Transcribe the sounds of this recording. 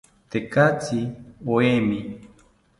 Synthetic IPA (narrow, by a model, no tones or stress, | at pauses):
t̪ekat͡sioemi